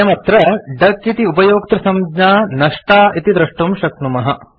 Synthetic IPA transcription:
ɐmɐt̪ɾɐɖɐkːit̪iupɐjoːkt̪ɾɐsɐmd͡ʒɲaːnɐʂʈaːʔit̪id̪ɾɐʂʈumʃɐk̪̚numɐɦɐ

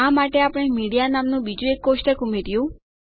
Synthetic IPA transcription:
ãmaʈeapəɽ̃emiɽijanamnũbid͡ʒũekːosʈəkumeɾjũ

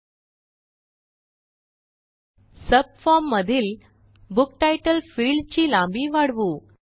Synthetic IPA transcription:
səb̚fɔɾmːəd̪ʱiːl | buk̚ʈajʈəlfiɭɖt͡ɕiːlãmbiʋaɽʋu

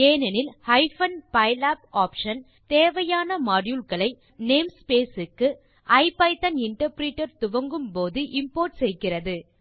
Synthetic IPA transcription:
eːnɛnɪlhɐɪfɐnpɐɪlaːp̚aːpʂɐn | t̪eːʋɐjaːnɐmɐɾjulkɐɭɐɪ | neːmspeːsɯkːɯ | ʔɐɪpɐɪt̪ɐnɪɳʈɐɾpɾiːʈːɐɾt̪ʊʋɐŋɡɯmpoːðɯʔɪmpoːɾʈsɛjkɪrɐðɯ

